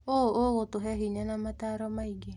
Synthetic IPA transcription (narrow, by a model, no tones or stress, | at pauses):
ooɣotoɦɛɦiɲanamataɾɔmaiɡe